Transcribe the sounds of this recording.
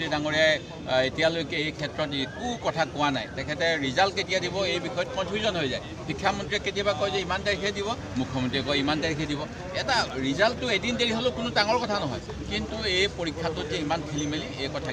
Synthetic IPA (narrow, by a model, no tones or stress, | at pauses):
idaŋoɹija | etijalojkɛejkʰɛtɹɔtekukɔtʰakʊwana̰jtɛkʰɛtɛɹizaltketijadibɔejbixɔjɔt̚pɔ̃jtuzɔnɦojza̰j | pikʰːjamɔntɹiɛketijabakojzɛimantaɹikʰɛdiβɔ | mukʰːɔmɔntɹiɛkojimandaɹikʰɛdibɔ | ɛtaɹizaltːʊedindeɹiɦolokʊnʊtaŋɔɹkɔtʰanɔɦɔ̰j | kintuejpoɹikʰːatʊzɛimankʰelimeliekɔtʰa